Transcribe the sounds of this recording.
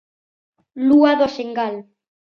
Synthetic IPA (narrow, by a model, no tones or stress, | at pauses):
luaðoseŋɡal